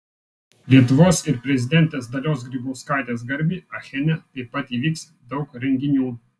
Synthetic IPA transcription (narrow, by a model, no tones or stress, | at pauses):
lʲiɛt̪ʊʋoːsɪɾpʲɾʲɛzʲɪd̪ʲɛnʲt̪ʲeːs̬d̪ɐlʲoːs̬ɡɾʲiːbuːskaˑɪt̪ʲeːs̬ɡɐɾʲbʲiːɐxʲɛnʲɛt̪ɐɪpːɐt̪iːʋʲiːks | d̪ɐʊkɾʲɛŋʲɡʲɪnʲuː